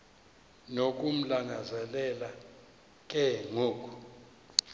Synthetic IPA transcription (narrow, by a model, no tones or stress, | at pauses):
nok̬ʼum̩laŋazɛlɛla | k̬ʼɛŋoːk̬ʼu̥